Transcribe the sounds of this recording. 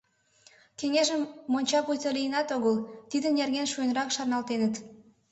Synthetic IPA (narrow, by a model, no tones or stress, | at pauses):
keŋeʒəmːonʲt͡ɕɑpujt̪əlijənɑt̪oɣəlt̪id̪ənjerɣenʃujənɾɑkʃɑrnɑlt̪enət̪